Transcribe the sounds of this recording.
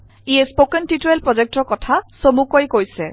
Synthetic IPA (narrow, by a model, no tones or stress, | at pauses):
iespokentituɹelpɹɔzek̚tɔɹkɔtʰasomukojkojsɛ